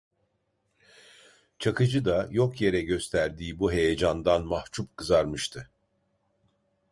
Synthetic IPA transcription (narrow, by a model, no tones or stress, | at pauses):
t͡ʃʰakɯd͡ʒɯd̪ajo̞kʰje̞ɾɛɟø̞st̪ʰæɾd̪iːbuɦe̞jed͡ʒand̪anmaht͡ʃʰup̚kʰɯzaɾmɯʃt̪ʰɯ